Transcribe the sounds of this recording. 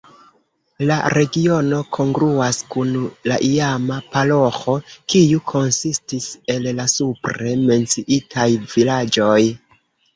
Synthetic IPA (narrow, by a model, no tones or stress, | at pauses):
la̰ɾe̞ɡio̞no̞kʰo̞ŋɡɾuaskunlaʔiamapalo̞xo̞kijukʰo̞nsistise̞llasupɾe̞me̞nt͡siʔitʰajvilad͡ʒo̞j